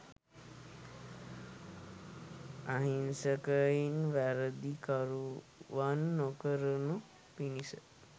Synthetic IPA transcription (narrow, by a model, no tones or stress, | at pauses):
aɦinsəkəinʋæɾəd̪ikaɾu | ʋanːokəɾənu | pinisə